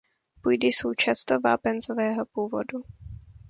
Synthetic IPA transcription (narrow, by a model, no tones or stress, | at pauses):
pujdɪsowt͡ʃast̪ova̰ːpɛnzovɛːɦopuːvo̞̰du